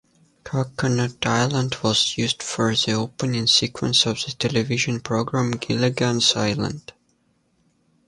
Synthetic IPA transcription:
kʰɑkənətaɪlˠə̃ndwʌzjʉzd̥fɔ˞ðioʊpə̃nɪ̃ŋsikʰwə̰̃nsɔvðɨtʰɛlˠɨvɪʒɨ̃npʰɹ̥oɡɹãmɡɪlˠɪɡãnzaɪlˠə̰̃nd̥

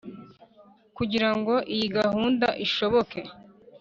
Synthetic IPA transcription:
kuɟiɾaŋɡo̞ʔijiɡahuːndaʔiʃo̞βo̞ke̞

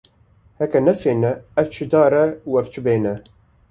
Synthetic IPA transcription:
hɛkɛnɛfeːnɛɛft͡ʃʰɨd̪ɑːɾɛuɛft͡ʃʰɨbeːnɛ

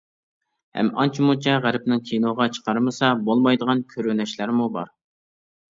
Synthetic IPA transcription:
hɛ̰mɑ̰nt͡ʃʰimut͡ʃʰɛʁæɾɪp̚nɪŋkʲʰinoʁɑt͡ʃʰə̥qɑɾmɨsɑbolˠmɑjd̪əʁɑnkʲʰøɾɪnɛʃlæɾmubɑɾ

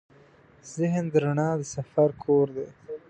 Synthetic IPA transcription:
z̥ɪɦnd̪əɾaɳɑːd̪əsafaɾkʰoːɾd̪e

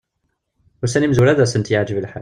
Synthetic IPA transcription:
ʊsænimzuɾæðæsənt̪jəʕd͡ʒəvəlħa

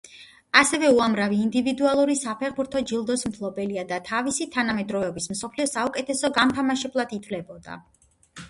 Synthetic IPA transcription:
asɛvɛuamɾaviːnd̪ivid̪ualˠuɾisapʰɛχbuɾt̪ʰɔd͡ʒilˠd̪ɔsmt̪ʰlˠɔbɛliad̪at̪ʰavisit̪ʰanamɛd̪ɾɔvɛbismsɔpʰliɔsaukʼɛt̪ʰɛsɔɡamt̪ʰamaʃɛblˠad̪it̪ʰvlɛbɔd̪a̰

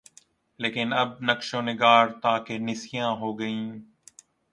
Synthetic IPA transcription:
leːkɪnɐb̚nəkʃoːnɪɡaːɾt̪aːkenɪsijãːɦoːɡəĩː

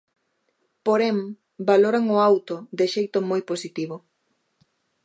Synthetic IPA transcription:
poɾem | baloɾaŋoawt̪od̪ɪʃejt̪ʊmojposit̪iβ̞ʊ

